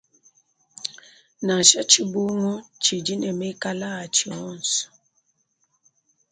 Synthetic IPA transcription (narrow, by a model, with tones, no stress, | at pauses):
na˨ʃa˦t͡ʃi˦bo˦ŋɔ˦t͡ʃi˨d͡ʒi˦nɛ˨me˦ka˦la˦a˨t͡ʃi˨ɔ˨˦˨n˨s